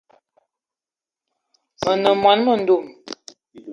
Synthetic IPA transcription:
mə˨nə˨mwa˨˦nmə˨n̩˨du˦˨m

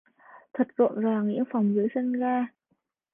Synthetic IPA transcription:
t̪ʰə˨˩t̚zo̰˧˨nzaː˨˩ŋḭ˧˥ənfa˨˩wŋ͡mzɨː˨˦jsə˧nɣaː˧

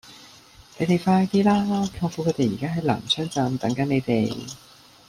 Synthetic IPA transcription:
ne˨˧jt̪e˨jfaː˧jt̪iː˥laː˥kʰa˧ŋfu˨˥kʰɵ˨˧˥t̪e˨jiː˨˩kaː˥ɦɐ˨˥jla̰ː˨˩mt͡sʰœː˥ŋt͡sɐ˨˧mt̪ɐ˨˥ŋkɐ˨˥ne˨˧jt̪e˨j

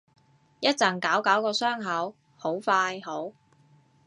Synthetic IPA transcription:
jɐ˥t̚t͡sɐ˨˩ŋkaː˨˥wkɐ˨˥wkɔː˧sœː˥ŋɦɐ˨˥w | ho˨˥wfaː˧jɦo˨˥w

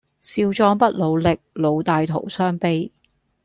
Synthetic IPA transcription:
siː˧wt͡ʃɔː˧ŋpɐ˥t̚lo˨˧wlɪ˨k̚lo˨˧wt̪aː˨jt̪ʰo˨˩wsœː˥ŋpe˧j

